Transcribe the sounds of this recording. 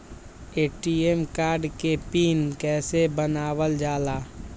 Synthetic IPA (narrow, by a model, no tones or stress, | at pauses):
eːʈiemkaːɾɖkepiːnkɛːsebənaːwəld͡ʒaːlaː